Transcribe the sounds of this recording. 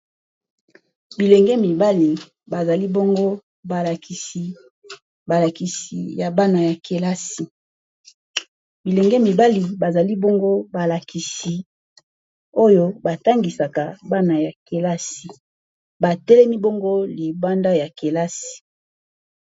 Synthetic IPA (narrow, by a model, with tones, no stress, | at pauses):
bi˨lɛ˨ŋɡɛ˦mi˨ba˦li˨ | ba˨za˨li˦bo˦ŋɡo˦ | ba˨la˨kʰi˨si˨ | ba˨la˨ki˨sḭ˨ja˨ba˦na˨ja˨kʰe˨la˦si˨ | bi˨lɛ˨ŋɡɛ˦mi˨ba˦li˨ba˨za˨li˦bo˦ŋɡo˦ba˨la˨kʰi˨si˨ | o˦jo˦ba˨ta˦ŋɡi˨sa˨ka˨ba˦na˨ja˨ke˨la˦si˨ | ba˨tɛ˦lɛ˦mi˦bo˦ŋɡo˦li˨ba˦nda˦ja˨ke˨la˦si̥˨